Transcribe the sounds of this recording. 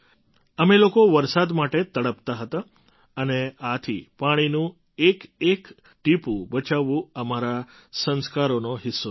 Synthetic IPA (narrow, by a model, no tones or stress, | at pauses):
əmelokoʋəɾsad̪maʈet̪əɽəpt̪aɦət̪a | əneat̪ʰḭpaɽ̃inũ | ekek | ʈipũbət͡ʃaʋũəmaɾa | sənskaɾonoɦɪsːo